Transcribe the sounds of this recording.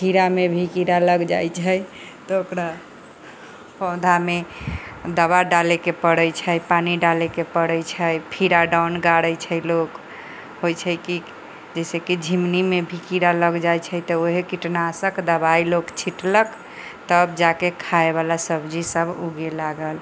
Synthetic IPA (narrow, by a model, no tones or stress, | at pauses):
pʰiɾamebʱikiɾaləɡd͡ʒajt͡ʃʰəj | t̪ɔokɾa | pɔ̃d̪ʱame | d̪əβaɖalekepəɽəjt͡ʃʰəpaniɖalekepəɽəjt͡ʃʰəjpʰiɾaɖawnɡaɽəjt͡ʃʰəjlok | ɦojt͡ʃʰəki | d͡ʒɛsekid͡ʒʱimnimebʱikiɾaləɡd͡ʒajt͡ʃʰəjt̪ɔoɦekiʈnasəkd̪əbailokt͡ʃʰiʈlək | t̪əbd͡ʒakekʰaeβalasəbd͡ʒisəbʱuɡelaɡəl